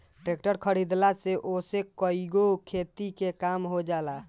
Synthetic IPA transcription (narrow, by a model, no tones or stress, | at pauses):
ʈɾek̚ʈəɾkʰəɾid̪laseʔosekəiɡokʰet̪ikekamɦod͡ʒala